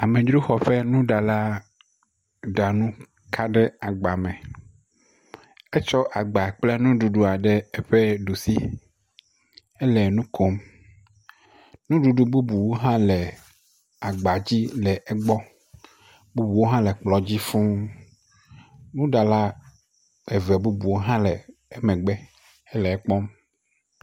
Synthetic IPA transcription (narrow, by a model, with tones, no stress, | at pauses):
a˨mɛ̃˨d͡ʒɾu˦xɔ˨ɸɛ˦nũ˦ɖa˨la˦ | ɖa˨nũ˦ | kʰa˦ɖɛ˦a˨ɡ͡ba˨mɛ̃˨ | ɛ˦t͡ʃɔ˦ʔa˨ɡ͡ba˨k͡plɛ˦nũ˦ɖu˨ɖu˦a˨ɖɛ˦ɛ˦ɸɛ˦ɖu˨sḭ˦ | ɛ˦lɛ˨nũ˦kʰo˦m | nũ˦ɖu˨ɖu˦bu˦bu˨wo˦ɦã˦lɛ˨ | a˨ɡ͡ba˨d͡ʑi˦lɛ˨ʔɛ˦ɡ͡bɔ˦ | bu˦bu˨wo˦ɦã˦lɛ˨k͡plɔ˨d͡ʑi˦fũ˦ | nũ˦ɖa˨la˦ | ɛ˨vɛ˨bu˦bu˨wo˦ɦã˦lɛ˨ɛ˦mɛ̃˨ɡ͡bɛ˦ | ɛ˦lɛ˨ɛ˦k͡pɔ˦m